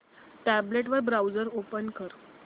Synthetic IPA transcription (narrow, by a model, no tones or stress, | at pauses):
ʈæbleʈʋəɾbɾawd͡zəɾopənkəɾ